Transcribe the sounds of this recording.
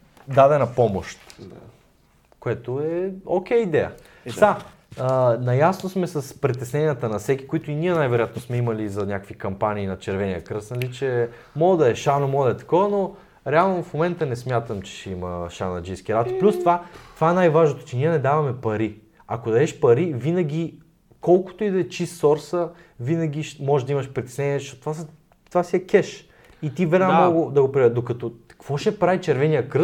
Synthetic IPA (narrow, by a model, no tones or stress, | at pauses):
d̪ad̪ɛnɐpɔmoʃt̪ | koɛt̪oɛok̟ʲɛjəid̪ɛjə̰ | a | ənɐjasnosmɛsɐspɾit̪ɛsnɛniət̪ənɐfsɛkʲi̥koit̪ʊiniɛnajvɛɾojat̪nosmɛimɐlizɐnʲakəkvikɐmpanʲiːnɐt͡ʃɛɾvɛniəkɾɤsnɐlit͡ʃɛ | mɔɡd̪ɐɛʃanomɔɡəd̪ɐɛt̪ɐ̥kɔvəno | ɾɛalˠnofmomɛnt̪ənɛsmʲjat̪əmt͡ʃɛ̥ʃɛiməʃa̰nɐd͡ʒijskʲiɾat̪plʲust̪ovat̪ovaɛnajvaʒnot̪o̥t͡ʃɛniɛnɛd̪avɐmɛpɐɾi | akod̪ɐɛʃpɐɾivinɐɡʲi | kɔlˠkʊ̥t̪oʊid̪ɛt͡ʃist̪sɔɾsə | vinəɡʲiʃmɔʒɛʒd̪ɐimɐʃpɾit̪ʲɛ̥snɛniɛʃot̪t̪ːvas | t̪vasiɛkʲɛʃ | it̪ivɛɾnammoɡʊd̪ɐɡopɾiɛd̪okɐt̪okvɔʃɛpɾavit͡ʃɛɾvɛnijəkɾɤs